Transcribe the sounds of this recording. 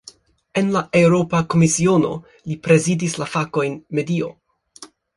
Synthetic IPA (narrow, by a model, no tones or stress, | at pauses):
e̞nlaʔe̞wɾo̞pako̞misio̞no̞̰ | lipɾe̞zidislafako̞jnme̞dio̞̰